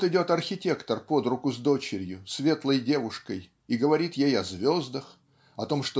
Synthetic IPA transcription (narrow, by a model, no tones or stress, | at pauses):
t̪ɪdʲo̞t̪ɐrxʲɪtʲe̞kt̪ərpo̞d̪ɾʊkʊzd̪o̞t͡ɕɪɾʲjʊsvʲe̞t̪lˠəjdʲe̞vʊʂkəj | iɡəvɐɾʲit̪jejɐzvʲo̞zd̪əx | ɐt̪o̞mʂt̪o